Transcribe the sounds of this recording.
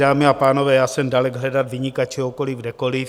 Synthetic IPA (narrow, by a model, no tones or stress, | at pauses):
aːmɪapaːnovɛːjaːsɛmdalɛɡɦlɛdat̪vɪɲikat͡ʃɪokolivdɛkoli